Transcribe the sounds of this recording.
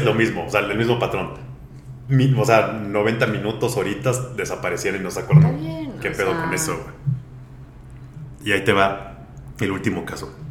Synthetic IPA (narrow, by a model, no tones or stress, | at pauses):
zlo̞mizmo̞seaelmizmo̞pat̪ɾo̞n | mioseano̞β̞e̞nt̪amĩnut̪o̞soɾit̪azðe̞sapaɾesjeɾoninosakwe̞ɾðankepe̞ðoko̞ne̞sowe | iait̪e̞βa | elult̪imo̞kaso